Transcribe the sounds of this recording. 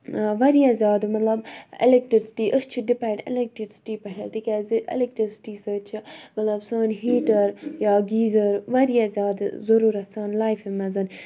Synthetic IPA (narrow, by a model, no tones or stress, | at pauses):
ʋɐɾijazʲjaːd̪mɐt̪lɐbɪ̰lek̚ʈɾisi̥ʈiːʔəst͡ʃʰiɖipɛ̃ːɳɖɪ̰lek̚ʈɾiɾsi̥ʈiːpɐʈʰɐlt̪ikʲaːziɪ̰lek̚ʈɾisi̥ʈiːsəːt͡ʃʰimɐt̪lɐbsəːnɦiːʈɐɾjaːɡiːzɐɾʋɐɾijazʲjaːd̪zɐɾuːɾɐt̪səːnlaːjfemɐzɐn